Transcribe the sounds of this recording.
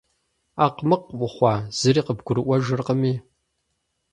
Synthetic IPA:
aqmɨqʔʷʊχʷɑːz̥ɨɾiːqəbɡʷʊɾɨʔʷɐʒɨrqəmiː

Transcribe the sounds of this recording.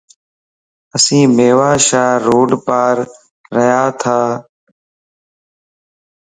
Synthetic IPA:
əsĩːmeːʋaːʃaːɾoːɖpaːɾː | əjaːt̪ʰaː

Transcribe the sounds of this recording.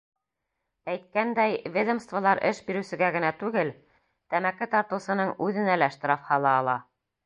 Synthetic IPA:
æjt̪̚kænd̪æjvʲed̪ə̆mst̪vɑlˠɑɾʔɘʃbiɾɘ̆sɘ̆ɡæɡɘ̆næt̪ʉɡɘl | t̪æmækɘt̪ɑɾt̪ɤ̆wsɤ̆nɤɴʉðɘ̆nælæʃt̪ɾɑfhɑlˠɑːlˠɑ

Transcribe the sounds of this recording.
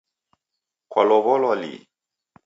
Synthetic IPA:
kwalɔβɔlɔlḭ

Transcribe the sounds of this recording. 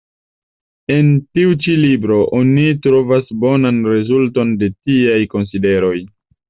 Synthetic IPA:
e̞ntiut͡ʃilibɾo̞ʔonitɾo̞vasbo̞nanɾe̞zulto̞nde̞tiajko̞ns̬ide̞ɾo̞j

